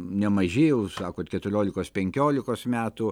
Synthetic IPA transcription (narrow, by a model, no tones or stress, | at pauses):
nʲɛmɐʒʲeːjɛʊsɑːkoːt̪kʲɛt̪ʊɾʲoːlʲɪkoːspʲɛŋʲkʲoːlʲɪkoːsmʲæːt̪ʊ